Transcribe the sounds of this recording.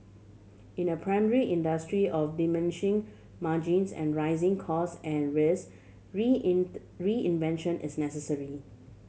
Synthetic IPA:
ɪ̃nəpʰɹaɪmɛɹiʔɪ̃ndəstɹiʔɔfdimɪ̃nɪʃɪ̃ŋ | mad͡ʒĩnsɛ̰̃nɹaɪzɪ̃ŋkʰɔsɛ̃nɹes | ɹiɪ̃nvɛ̃nʃə̃nʔɪ̰snɛsəsəɹi

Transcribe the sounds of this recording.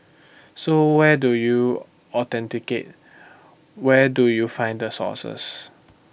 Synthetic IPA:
sowɛduju | ɔt̪ɛ̃ntiket̚ | wɛdujufãɪ̃ndəsɔ̰sə̰s

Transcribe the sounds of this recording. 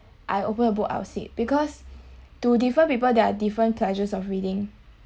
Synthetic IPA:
ʔajopə̃nəbuka̰ʊtsḭt̚b̥ikɔstudifəpipəldɛadifɹə̃npʰlɛd͡ʒəsɔfɹidɪ̃ŋ

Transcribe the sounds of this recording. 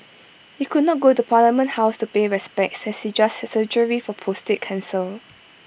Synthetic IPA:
hikudnɔt̚ɡotupʰaləmə̃nʔhaʊstupeɹɛspɛk̚tsɛshid͡ʒashɛsəd͡ʒəɹifɔpʰostet̚kʰãnsəl

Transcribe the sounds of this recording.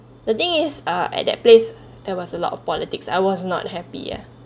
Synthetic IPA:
dət̪ɪ̃ŋɪsaʔɛ̰ʔ̚dɛ̰t̚ples | d̥ɛwɔsəlɔ̰tɔfpɔlitɪksa̰jwɔsnɔ̰t̚hɛpḭɛ̰

